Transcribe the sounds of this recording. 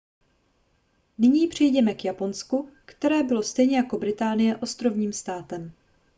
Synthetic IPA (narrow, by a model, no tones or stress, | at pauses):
nɪɲiːpr̝̥ɪjɟɛmɛkjapo̞nskukt̪ɛɾɛːbɪlo̞st̪ɛjɲɛjako̞bɾɪt̪aːnɪjɛʔo̞st̪ɾo̞vɲiːmst̪aːt̪ɛm